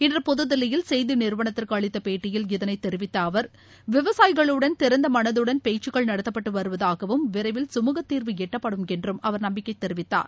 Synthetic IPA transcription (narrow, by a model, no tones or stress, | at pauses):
ɪndrɐpɔðɯðɐlɐjɪlsɛjðɯnɪɾʋɐɳɐt̪ːɪrkɯɐɭɪt̪ːɐpeːʈːɪjɪljɪðɐnɐɪt̪ːɛɾɪʋɪt̪ːɐːʋɐɾ | ʋɪʋɐsaːjɣɐɭɯɽɐnt̪ɪɾɐnd̪ɐmɐnɐðɯɽɐnpeːt͡ʃːɯɣɐɭnɐɽɐt̪ːɐpːɐʈːɯʋɐɾɯʋɐðaːɣɐʋɯmʋɪɾɐɪʋɪlsʊmuːɣɐt̪ːiːɾʋɯɛʈːɐpːɐɽɯmɛndrɯmɐʋɐɾnɐmbɪkːɐɪt̪ːɛɾɪʋɪt̪ːa̰ːɾ